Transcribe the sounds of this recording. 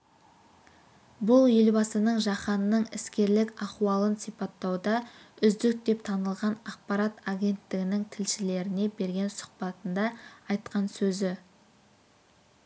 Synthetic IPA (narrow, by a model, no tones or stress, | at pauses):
bʊlˠje̞lbɑsənəɴʒɑχɑnːəɴɪskʲe̞ɾlɪkɑquɑlˠənsijpɑt̪ːɑwd̪ɑʏzd̪ɪk̚d̪e̞pt̪ʰɑnəlˠʁɑnɑq̚pɑɾɑt̪aɡʲe̞nt̪ːɪɡʲɪnɪŋt̪ʰɪlʃɪle̞ɾɪne̞be̞ɾɡʲe̞nsʊ̥qpɑt̪ənd̪ɑːjt̪qɑnsɵzɪ